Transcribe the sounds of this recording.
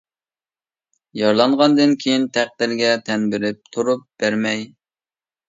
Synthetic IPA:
jɑɾlˠɑɴʁɑnd̪ɨnkʲʰejint̪ʰæq̚d̪̥ɪɾɡʲɛt̪ʰɛnbɪɾɪp̚t̪ʰuɾup̚b̥æɾmɛj

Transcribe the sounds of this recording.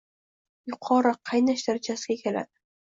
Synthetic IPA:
jʊqʰɒɾaqʰɑjnaʃd̪aɾt͡ʃʰasɡʲakʲʰe̞la̰d̪ɪ

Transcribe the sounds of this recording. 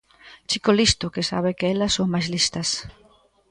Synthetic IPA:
t͡ʃikolist̪ʊkɪsa̰βekeɛlɐsːoŋmajzlist̪ɐs

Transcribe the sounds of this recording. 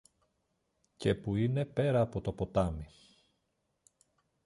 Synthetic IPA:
ce̞puine̞pe̞ɾɐːpo̞t̪o̞po̞t̪ɐmi

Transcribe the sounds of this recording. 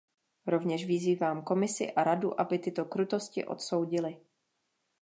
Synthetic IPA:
ɾo̞vɲɛʃvɪziːvaːmko̞mɪsɪ̰ʔaɾaduʔabɪt̪ɪt̪o̞kɾut̪o̞scɪ̰ʔo̞̰t̪so̞wɟɪlɪ

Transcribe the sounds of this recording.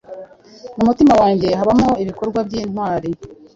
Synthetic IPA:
mumutimawaːɲɟe̞aβamoiβiko̞ɾɡwabɟiːnhwaːɾi

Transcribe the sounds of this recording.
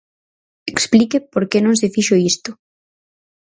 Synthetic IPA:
eksplikepoɾkenõŋs̬ɪfiʃoist̪ʊ

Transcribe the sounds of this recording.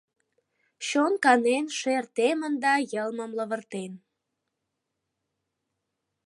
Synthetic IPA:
ɕonkɑnenʃert̪emənd̪ɑjəlməmləβərt̪en

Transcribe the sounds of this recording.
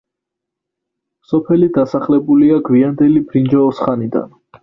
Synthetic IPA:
sɔpʰɛlid̪asaχlɛbuliaɡwiand̪ɛlibɾind͡ʒaɔsχanid̪a̰n

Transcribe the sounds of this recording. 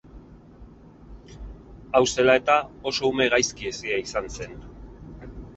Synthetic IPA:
awse̞lae̞t̪ao̞so̞ume̞ɣajskiesiaisanse̞n

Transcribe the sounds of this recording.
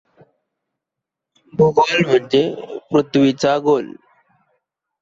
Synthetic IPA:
bʱuɡolm̤ənd͡ʑemɾut̪ʋit͡saɡol

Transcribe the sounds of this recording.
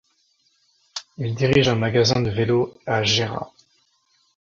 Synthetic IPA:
ild̪iʁiʒɛ̃maɡazɛ̃d̪əveloaʒeʁa̰

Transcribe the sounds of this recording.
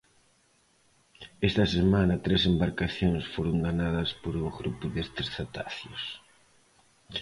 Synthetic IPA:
est̪ɐsemanɐt̪ɾesembaɾkaθjoŋsfoɾʊŋɡanað̞ɐspoɾoɣɾupʊðest̪esθat̪aθjʊs

